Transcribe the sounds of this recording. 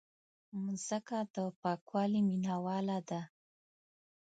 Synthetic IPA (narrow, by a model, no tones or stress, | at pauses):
mzəkad̪əpɑkwɑliminawɑlad̪a